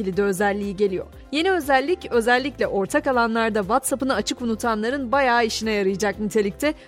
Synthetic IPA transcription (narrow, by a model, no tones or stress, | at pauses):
ilʲid̪ɛø̞zælʲːiːiɟe̞lʲijo̞̰ɾ | je̞niø̞zælʲːicø̞zælʲːiclʲɛʔo̞ɾt̪ʰakalˠanlˠaɾd̪avat̪sapɯnaat͡ʃʰɯkunut̪ʰanlˠaɾɯnbajaːiʃinɛjaɾɯjɯd͡ʒak̚nyt̪ʰe̞lʲic̚t̪ʰɛ